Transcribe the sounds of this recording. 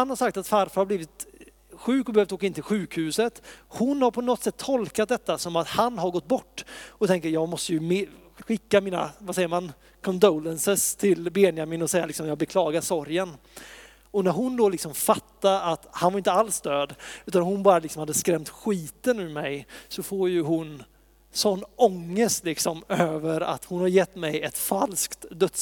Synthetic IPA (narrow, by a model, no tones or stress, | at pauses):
hanhaɾʂak̚t̪at̪faɾfahaɾbliːvɪt̪ | ɧʉ̟ːkɔbɛøːvft̪oːkaɪnt̪ʰɪlɧʉ̟ːkhʉ̟ːsət̪hʊnhaɾpʰɔnɔt̪sɛt̪ʰːɔlkat̪̚d̪ɛt̪ːasɔmat̪hanɦaɾɡɔt̪ːbɔʈːɔt̪ʰɛŋkəɾjɑːɡmɔst̪əjɵm | ɧɪkːamiːna̰vasɛjːəɾman | kʰɔnd̪oːlənsəst̪ʰɪlbɛːnɪjamɪːnɔsɛjalɪksɔmjɑːɡ̚bɛkʰlɑːɡaɾʂɔɾjən | ɔnæɾɦʊnd̪olɪksɔmfat̪ːaɾat̪hanvaɾɪnt̪əalsd̪øːd̪ʉt̪anhʊnbɑːɾalɪksɔmhad̪ːəskɾɛmt̪ɧiːt̪ənʉːmɛjsɔfoːɾjɵɦʊn | sɔnːɔŋːəst̪lɪksɔmøːvəɾa̰t̪hʊnhaɾjɛt̪ːmɛjɛt̪falskt̪d̪œt̪s